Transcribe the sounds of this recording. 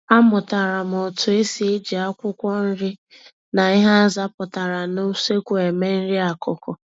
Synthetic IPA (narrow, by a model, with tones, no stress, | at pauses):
a˦mʊ˨ta˨ɾa˨m˨ɔ˨tʊ˨e˦si˨e˦d͡ʒi˨a˦kʷʊ˦kʷɔ˦n̩˦ɾɪ˦ | na˨i˦ɦa˦za˦pʊ˨ta˨ɾa˨no˦se˦kʷu˨e˨me˦n̩˦ɾi˦a˨kʊ˦kɔ˨